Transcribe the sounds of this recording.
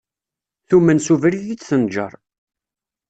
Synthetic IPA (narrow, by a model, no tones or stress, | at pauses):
θumːənsuvɾiðit͡sːθənd͡ʒə̰ɾˤ